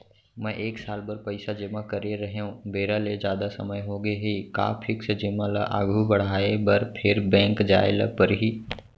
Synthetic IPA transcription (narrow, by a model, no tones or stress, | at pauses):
mɛ̃ʔeːksaːlbəɾpəɪsad͡ʒəmãkəɾeɾɐɦeɦũbeːɾaled͡ʒjaːd̪asə̰məjɦoɡeɦika̰ːpʰɪksd͡ʒɪmalaʔa̰ːɡʱubɐɽ̤aːebɐɾpʰɪɾbɛ̃ːŋkd͡ʒaːelə̰pəɾɦiː